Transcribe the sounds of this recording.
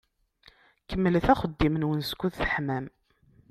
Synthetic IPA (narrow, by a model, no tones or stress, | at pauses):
kəmːəlθæχəd̪ːimənwənskʷːuðθəħmæm